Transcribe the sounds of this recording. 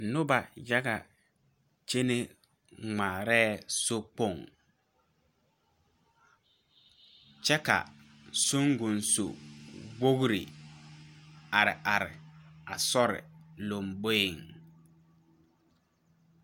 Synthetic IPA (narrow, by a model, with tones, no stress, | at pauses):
nʊ˦ba˨ja˦ɣa̰˨ | t͡ʃe˦ne˦ | ŋ͡maː˨ɾɛː˦so˦k͡po˦˨ŋ | t͡ʃɛ˦ka̰˨ | sʊ˦ŋɡʊ˨nso̰˨wo˦ɣɾḭ˨ | a˨ɾɪ˨ʔa˨ɾɪ̰˨a˨sɔ˦ɾɪ̰˨lo˨mbo˦ɪ˨ŋ